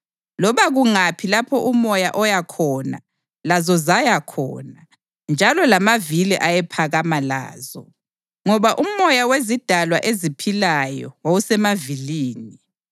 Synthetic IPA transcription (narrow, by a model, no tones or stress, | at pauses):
lɔβaɣuŋapʰilapʰɔʔumɔjaʔɔjakʰɔːna̰ | lazɔzajakʰɔ̰ːna | nd͡ʒʱalɔlamaviliʔajɛpʰaɣamala̰ːzɔ̰ | ŋɔβaʔumɔjawezid̥ʱalwaʔezipʰilajɔ̰wawusɛmaviliːni